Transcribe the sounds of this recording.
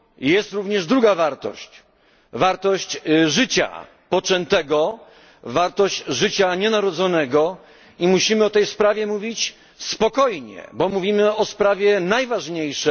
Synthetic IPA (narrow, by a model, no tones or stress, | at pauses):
jɛst̪ɾuvɲɛʐd̪ɾuɡavaɾt̪ɔ̰ɕt͡ɕ | vaɾt̪ɔɕt͡ɕʐɘt͡ɕa̰ | pɔt͡ʂɛnt̪ɛɡɔ | vaɾt̪ɔɕt͡ɕʐɘt͡ɕaɲɛnaɾɔd̪zɔnɛɡɔ | imuɕimɘɔt̪ɛjspɾavʲjɛmuvʲit͡ɕ | spɔkɔjɲɛ̰bɔmuvʲimɘɔspɾavʲjɛnajvaʐɲejʂɛ